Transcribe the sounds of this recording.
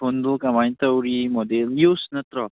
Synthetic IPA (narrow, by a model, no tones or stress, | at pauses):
ond̪ukamajnt̪əwɾimɔd̪eljusnʌt̪ɾʌ